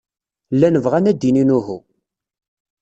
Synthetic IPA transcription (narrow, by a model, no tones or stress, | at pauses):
lːænəvʁænæd̪ininuɦu